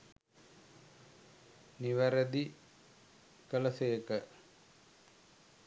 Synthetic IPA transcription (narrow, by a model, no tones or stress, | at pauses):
niʋəɾəd̪i | kələseːəkə